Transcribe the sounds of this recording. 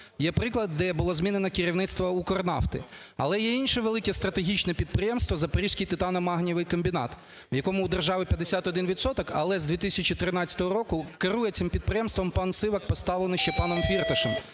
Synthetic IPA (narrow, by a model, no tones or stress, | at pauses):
jɛpɾɪklˠɐd̪ːɛbʊlˠɔzmʲinenɐkɪɾʲiwnɪt̪st̪ʋɐukɔrnɑ̰ft̪ɪ̰ | ɐ̰lˠɛjɛinʃɛʋelˠɪkɛst̪ɾɐt̪eɦʲit͡ʃnɛpʲid̪̚pɾɪjɛmst̪ʋɐzɐpɐɾʲiʃʲsʲkʲijt̪ɪt̪ɑnɐmɑɦnʲiʋɪjkɐmʲbʲinɑ̰t̪ | ʋjɐkɔmʊːd̪erʒɑʋɪpʲjɐd̪esʲat̪ɔd̪ɪnʋʲit̪sɔt̪ɔkɐ̰lˠɛzd̪ʲit̪ɪsʲɐt͡ʃit̪ɾɪnɑt̪t͡sʲɐ̥t̪ɔɦɔɾɔkʊkɪɾujɛt̪sɪmpʲid̪̚pɾɪjɛmst̪ʋɔmpɑnsɪʋɐkpɔst̪ɑʋlenɪʃt͡ʃɛpɑnɔmfʲirt̪ɐʃɛm